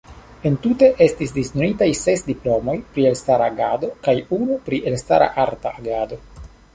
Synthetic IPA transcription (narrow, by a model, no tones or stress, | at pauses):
e̞ntute̞ʔe̞stis̬diznonitajse̞sdiplo̞mo̞jpɾielstaɾaːɡado̞kajunupɾiʔe̞lstaɾa̰ʔaɾta̰ʔaɡado̞